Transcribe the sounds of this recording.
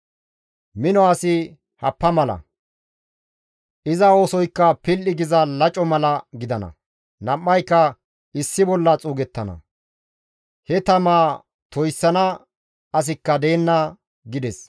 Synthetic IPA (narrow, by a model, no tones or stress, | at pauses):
mɪnɔɐsɪ | hɐpːɐmɐlɐ̰ | ʔɪzɐo̞ːsɔjkːɐpɪlːɪɡɪzɐlɐt͡ʃʼɔmɐlɐɡɪd̪ɐnɐ̰ | nɐmːɐjkːɐ | ɪsːɪbɔlːɐt͡sʼuːɡɛt̪ːɐnɐ̰ | hɛt̪ɐmaː | t̪ɔjsːɐnɐ | ɐs̬ɪkːɐd̪e̞ːnːɐ | ɡɪd̪ɛs